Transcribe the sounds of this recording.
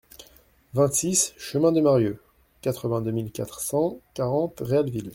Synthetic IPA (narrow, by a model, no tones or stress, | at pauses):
vɛ̃t̪sisʃəmɛ̃d̪əmaʁjo | kat̪χəvɛ̃d̪ømilkat̪χsɑ̃kaʁɑ̃t̪ʁealvil